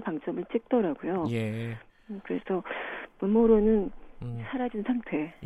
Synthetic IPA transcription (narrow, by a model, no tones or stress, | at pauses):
paŋt͡ɕ͈ʌmɯɭt͡ɕ͈ʰik̚t͈ʌɾaɡujoje | kɯɾe̞̰sʰʌpunmoɾonɯnsʰaɾad͡ʑinnsʰaŋtʰe̞